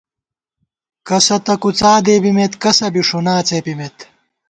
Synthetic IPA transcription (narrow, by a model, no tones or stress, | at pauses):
kɐsɐt̪ɐkut͡saːd̪eːbimet̪kɐsɐbiʂunaːt͡seːpimet̪